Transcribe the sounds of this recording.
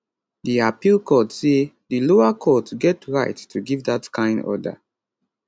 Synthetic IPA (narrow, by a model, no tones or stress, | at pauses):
diapilkɔtse | diloakʰɔtɡɛtɹaɪtːʰuɡivdatkʰãɪ̃ndɔ̰da̰